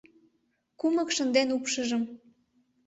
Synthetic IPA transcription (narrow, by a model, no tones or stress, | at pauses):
kuməkʃə̆nd̪enupʃəʒəm